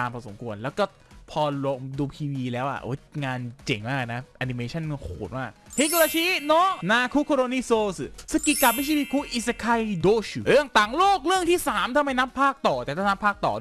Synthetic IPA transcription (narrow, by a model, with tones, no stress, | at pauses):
aː˧mpʰɔː˧˩so˨˩˦mkʰu˧ənlɛː˦˥wkɔː˥˩ | pʰɔː˧lo˧ŋduː˧pʰiː˧wiː˧lɛː˦˥wʔa̰˨˩ʔo̰ː˦˥˩jŋaː˧nt͡ɕe˨˩ŋmaː˥˩k̚na˦˥ʔa˧ni˧meː˧t͡ɕʰa˥˩n˧kʰo̰ː˨˩˦t̪̚maː˥˩k̚te˦˥kːu˧la˧˩t͡ɕʰiː˦˥nɔː˦˥ʔnaː˧kʰuː˦˥kʰo˧ɾoː˧niː˧˥˩soː˧ssa˧ki˧˩ka˨˩mi˦˥t͡ɕʰi˧wi˧kʰuː˦˥ʔi˨˩sa˧kʰa˧jdoː˧˩ɕɾɯ˥˩əŋt̪aː˨˩ŋloː˥˩k̚ɾɯ˥˩əŋt̪ʰiː˥˩saː˩˦mt̪ʰa˧mːa˧jna˦˥pʰːaː˥˩k̚t̪ɔː˨˩t̪ɛ˨˩t̪a˥˩na˦˥pʰaː˥˩k̚t̪ɔ̰ː˨˩d